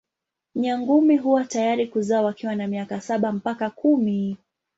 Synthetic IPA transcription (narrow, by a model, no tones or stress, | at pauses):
ɲaŋɡumiɦuwatajaɾikuzaːwakiwanamiakasaɓam̩pakakumi